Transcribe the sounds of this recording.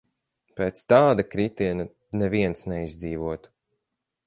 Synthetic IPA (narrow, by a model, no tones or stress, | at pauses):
peːt̪st̪aːd̪akɾit̪iɛna | nɛviɛnsnɛizʲd̪ziːvuɔt̪u̥